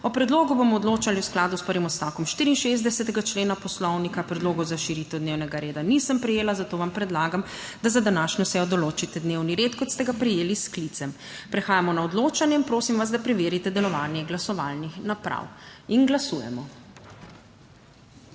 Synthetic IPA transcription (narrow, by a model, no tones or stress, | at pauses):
ɔpɾɛd̪loːɡubomɔːd̪loːt͡ʃaliwsklaːd̪uspəɾʋimɔst̪akɔmʃt̪iːɾiːnʃezd̪ɛsɛt̪ɛɡat͡ʃleːnapɔslɔwnikapɾɛd̪loːɡɔwzaʃiɾit̪ɛwd̪neːwnɛɡaɾeːd̪anisəmpɾɛjeːlazat̪oːʋampɾɛd̪laːɡam | d̪azad̪anaːʃɲɔsɛjɔd̪ɔloːt͡ʃit̪ɛd̪neːwniɾeːt̪kɔt̪st̪ɛɡapɾijeːlisklit̪sɛm | pɾɛxaːjamɔnaɔd̪loːt͡ʃanjɛinpɾoːsimʋas̬d̪apɾɛʋeːɾit̪ɛd̪ɛlɔʋaːnjɛɡlasɔʋalnixnapɾa̰winɡlasuːjɛ̰mɔ